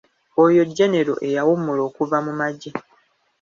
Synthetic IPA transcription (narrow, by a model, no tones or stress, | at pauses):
ojo̞ɟːene̞ɾo̞̰ʔe̞jawumulo̞ːkuvamumaɟi